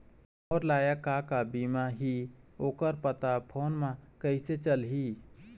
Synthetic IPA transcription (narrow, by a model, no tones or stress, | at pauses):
ɔːɾlaːjakakabimaɦioːkəɾpət̪apʰoːnmãkəɪset͡ʃəlɦi